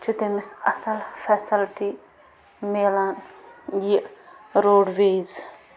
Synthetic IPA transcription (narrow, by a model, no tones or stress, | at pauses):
t͡ʃʰut̪emɪsɐsɐlfʰɛːsɪlʈi | melaːnjiʔɾoːɖʋeːz